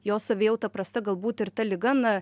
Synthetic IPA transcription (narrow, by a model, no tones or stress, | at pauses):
joːssɐʋʲeːjɛʊt̪ɐpɾɐst̪ɐɡɐlˠbuːt̪ɪɾt̪ɐlʲɪɡɐnɐ